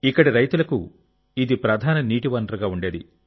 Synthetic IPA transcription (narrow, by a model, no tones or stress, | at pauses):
ikːɐɽiɾɐjt̪ulɐku | id̪ipɾɐd̪ʱaːnɐniːʈiʋɐnɖɾɐɡaːuɳɖe̞ːd̪ḭ